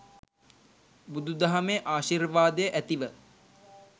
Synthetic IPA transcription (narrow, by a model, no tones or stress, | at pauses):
bud̪ud̪aɦameʔaːʃirʋaːd̪əjəʔæt̪iʋə